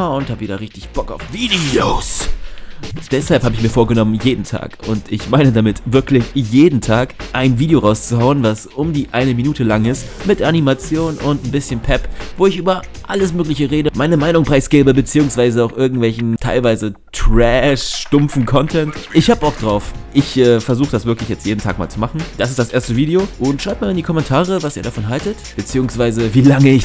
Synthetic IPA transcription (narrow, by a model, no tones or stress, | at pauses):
ʊnthaːbəviːdɐʁɪçtɪçb̥ɔka̰ʊfv̥iːdioːs | d̥ɛshalphaːbəɪçmiːɐfoːɐɡənɔmənjeːdn̩tʰa̰ːkʊntɪçmaɪnədamɪtvɪɐklɪçjeːdn̩tʰaːkʔaɪnviːdeoʁaʊst͡suɦaʊənvasʔʊmdiːʔaɪnəminuːtəlaŋɪstmɪtʔanimat͡sjoːnʊntn̩bɪsçənpʰɛpv̥oːɪçʔyːbɐ | ʔaləsmøːklɪçəʁeːdəmaɪnəmaɪnʊŋpʁ̥aɪsɡ̥eːbəbət͡siːʊŋsv̥aɪzəaʊxʔɪɐɡ̚ŋ̩tv̥ɛlçn̩tʰaɪlvaɪzətʁ̥ɛʃʃtʊmfn̩kʰɔntʰɛntʔɪçhaːbəbɔʊk̚d̥ʁaʊfʔɪçʔɛːfɛɐzuːxəd̥asvɪɐklɪçjɛt͡stjeːdn̩tʰa̰ːk̚ma̰ːlt͡sumaχn̩d̥as̬ɪstd̥asʔeːɐstəviːdeoʔʊntʃʁ̥aɪp̚maːandikʰɔmɛntʰaːʁəvasiːɐɾafɔnɦaltətb̥ət͡siːʊŋsv̥aɪzəviːlaŋəɪç